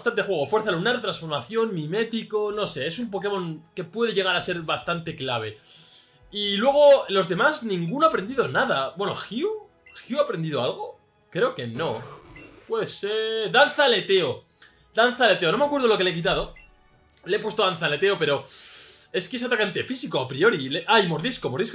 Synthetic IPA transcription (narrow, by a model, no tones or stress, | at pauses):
st̪ant̪exwe̞ɣofweɾθalunaɾt̪ɾansfo̞ɾmaθjo̞nmĩme̞t̪iko̞no̞se̞esumpo̞ke̞mo̞ŋke̞pwe̞ðeʝe̞ɣaɾase̞ɾβast̪ant̪e̞klaβ̞e̞ | ilwe̞ɣ̞o̞lo̞zðe̞maznĩŋɡunoapɾend̪iðo̞naðabwe̞no̰xiu | xiuapɾe̞nd̪iðoalɣ̞o̞ | kɾe̞o̞ke̞no̞pwe̞ðeseɾðan̟θale̞t̪e̞o | d̪anθale̞t̪e̞o̞no̞makweð̞o̞loke̞leek̬it̪̬aðo̞ | leepwe̞st̪oðan̟θale̞t̪e̞o̞pe̞ɾo̞ | e̞skees̬at̪akant̪e̞fisikoapɾio̞ɾileʔajmoɾðiskomoðis